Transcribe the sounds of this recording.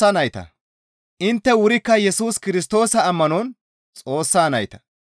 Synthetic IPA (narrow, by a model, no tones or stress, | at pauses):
anɐjt̪ɐ̰ | ʔɪnt̪ːɛwʊɾɪkːɐjɛsuːskɪɾɪst̪o̞ːsɐːmːɐnɔn | t͡sʼo̞ːsːaːnɐjt̪ɐ̥